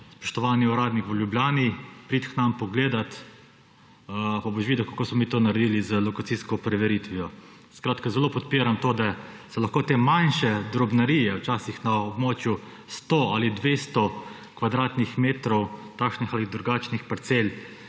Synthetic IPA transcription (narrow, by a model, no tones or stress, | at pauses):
spɔ̥ʃt̪ɔʋaːniɔɾaːd̪nikʋəljubljaːnipɾit̪xnampɔɡleːd̪at̪ | paboʃʋid̪ɛkakoːsmɔmiːt̪oːnaɾɛd̪iːlizəlɔkat̪siskɔpɾɛʋɛɾit̪ʋijɔ | skɾaːt̪kazɛloːpɔt̪piːɾamt̪oːd̪asɛlɐxkoːt̪emanʃɛd̪ɾɔbnaɾiːjɛwt͡ʃaːsixnaɔbmoːt͡ʃju | st̪oːalid̪ʋeːst̪ɔ | kʋad̪ɾaːt̪nixmeːt̪ɾɔwt̪aːkʃnixalid̪ɾuɡaːt͡ʃnixpaɾt̪sel